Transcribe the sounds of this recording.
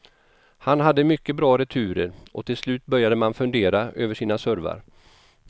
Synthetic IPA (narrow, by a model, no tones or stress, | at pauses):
hanɦad̪ːəmʏkːəbɾɑːɾɛt̪ʰʉ̟ːɾəɾʔɔt̪ʰɪlslʉ̟ːt̪bœɾjad̪əmanfɵnd̪eːɾaʔøːvəʂiːnasœɾva̰ɾ